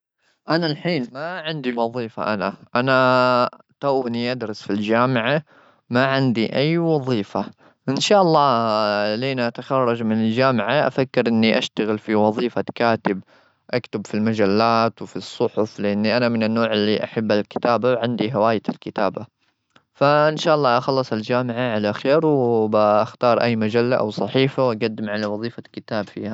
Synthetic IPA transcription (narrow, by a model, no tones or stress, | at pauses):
ʔanalħiːnmaʕɪnd̪iwɑðˤiːfa̰ʔanaʔana | t̪aːniʔad̪ɾˤɑsfild͡ʒaːmɪʕa | maʕɪnd̪iʔajːwɑðˤiːfa | ʔɪnʃaːʔɑlˤːɑːleːnaʔat̪axɑrˤːɑd͡ʒmɪnɪld͡ʒaːmɪʕaʔafakːɪɾʔɪnːiʔaʃt̪aɣɪlfiwɑðˤiːfakaːt̪ɪb̚ | ʔakt̪ʊbfilmad͡ʒalːaːt̪wfisˤːʊħʊflɪʔanːiʔanamɪnɪnːoːʕɪlːiʔaħabːalkɪ̥t̪aːbawʕɪnd̪iɦawaːjɪɪlkɪt̪aːba | faʔɪnʃaːʔɑlˤːɑːʔɑxɑlːɑsˤald͡ʒaːmɪʕaʕalaxeːɾwbaʔaxt̪ɑːɾˤʔajːmad͡ʒalːaʔa̰wsˤɑħiːfawʔaɡad̪ːɪmʕalawɑðˤiːfakɪt̪aːbfiːha